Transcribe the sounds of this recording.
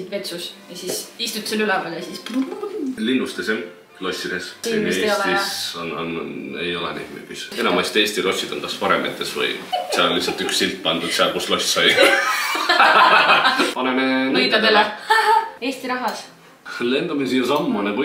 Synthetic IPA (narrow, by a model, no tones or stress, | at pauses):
id̪ve̞t̪susjɑsisist̪ut̪selylɛpeːljɑsis | linːust̪esin | lo̞sʲːid̪̥esneisonɑ̰nḛjo̞lɛnḛjd̪̥my̰ɡise̞nɑmɑst̪e̞ːsʲt̪ilo̞sʲːid̪̥o̞̰nkɑspɑɾemḛt̪ːesvɤ̰jseɑlːisːɑlt̪yksːilt̪̚pɑnd̪ud̪seɑlkuslo̞sʲt̪sɑj | pɑnenenejt̪ːɑd̪ele | e̞ːst̪iɾɑɦɑs | le̞nd̪̥uminsijosɑmːɑnɑku